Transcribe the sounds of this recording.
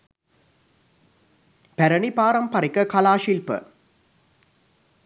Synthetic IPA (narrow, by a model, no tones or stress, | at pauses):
pɛɾɐɳipaːɾɐmpɐɾɪkːɐkɐlaːʃilpə̰